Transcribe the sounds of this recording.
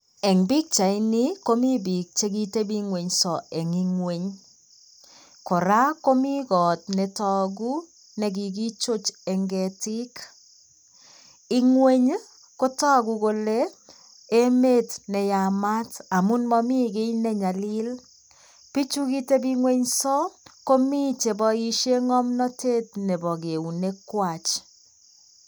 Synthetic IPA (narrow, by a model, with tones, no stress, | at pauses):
ɛ˨ŋbi˦k̚t͡ʃa˨i˦ni˦ko˦mi˦bi˨k̚t͡ʃe˦ɡi˦te˦bi˦ŋwe˨ɲsɔ˨ɛ˨ŋi˦ŋwe˦ɲ | kɔ˨ɾa˦ko˦mi˦ɡɔ˨t̚nɛ˨tɔ˦˨ɡu˦ | nɛ˨ɡi˨ɡi˦t͡ʃo˦t͡ʃɛ˨ŋɡɛ˨tɪ˦k | i˦ŋwe˦ɲ | ko˦tɔ˦ɡu˨ɣo˨le˦ | e˦me˦tnɛ˨ja˨ma˦ta˨mu˦nmɔ˦mi˦ɡe˦jnɛ˦ɲa˨li˦l | pi˦t͡ʃu˦ki˦te˦bi˦ŋwe˦ɲsɔ˦ko˦mi˦t͡ʃe˨bɔ˨i˦ʃe˦ŋɔ˦mnɔ˦tʰe˦t̚nɛ˨bɔ˨ɡe˨u˨ne˦kwa˨t͡ʃ